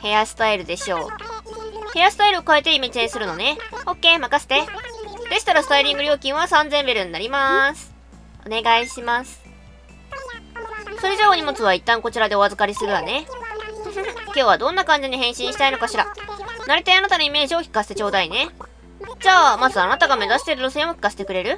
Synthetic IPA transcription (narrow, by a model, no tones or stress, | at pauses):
he̞jasɨ̥t̪aiɾɯ̟d̪e̞ɕo̞̰ː | he̞jasɨ̥t̪aiɾɯ̟okaet̪e̞imit͡ɕẽsɨɾɯ̟no̞ne̞o̞kːe̞ːmakase̥t̪ed̪e̞ɕi̥t̪aɾasɨ̥t̪aiɾʲĩŋɡɯ̟ɾʲo̞ːkʲĩɰ̃βasãnd͡zẽ̞mbeɾɯ̟̃ɲ̟iːaɾʲimasɨ̥ | o̞ne̞ɡaiɕimasɨ̥ | so̞ɾe̞ʑaːo̞ɲ̟imo̞t͡sɨβ̞ait̪ːãŋko̞t͡ɕiɾad̪e̞o̞azɨkaɾʲisɨɾɯ̟jane̞ | kʲo̞ːβad̪õ̞nːakãɲ̟d͡ʑiɲ̟iɦẽ̞ɕĩɰ̃ɕi̥t̪aino̞kaɕiɾanaɾʲet̪eanat̪ano̞ime̞ːʑio̞çʲi̥kːase̥t̪et͡ɕo̞ːd̪aine̞ | d͡ʑaːmazɨanat̪aɡame̞zaɕi̥t̪e̞ɾɯ̟ɾose̞ːmo̞çʲi̥kːase̥t̪e̞kɯ̟ɾe̞ɾɯ̟